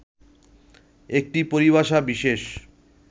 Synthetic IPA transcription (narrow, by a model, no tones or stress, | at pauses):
ek̚ʈipoɾiβaʃabiʃeʃ